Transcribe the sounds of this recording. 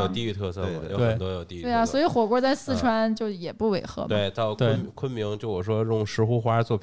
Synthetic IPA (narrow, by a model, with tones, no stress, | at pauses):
o˨˩ʊt̪i˥˧y˥˧t̪ʰɤ˥˧sɤ˥˧e˥˩˨jo˧˥ʊwxə˨t̪wɔ˥jo˨˩ʊt̪i˥˧˥e˥˩ɪa˩swɔ˧˥i˨˧˥xwɔ˨˩kwɔ˥t͡sa˥˧ɪsɹ̩˥˩ʈ͡ʂʰwa˥nt͡ɕjo˥˩ʊjɛ˨˩pu˥˩we˧˩ɪxɤ̰˧˥we˥˩ɪt̪ɑ˥˩ʊk̪ə˥˩˥nkʰwə˥nmi˧˥ŋt͡ɕjo˥˩ʊwɔ˨˩ʂ̬wɔ˥ɻʊ˥˩ŋʂɻ̩˧˥xu˥xwa˥˧t͡swɔ˥˩pʰ